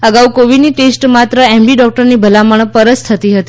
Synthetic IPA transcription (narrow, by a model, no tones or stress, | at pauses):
əɡaukoʋiɖniʈesʈmat̪ɾəɛmbiɖɔk̚ʈəɾnibʱəlaməɳ̃pəɾəst̪ʰət̪iɦət̪i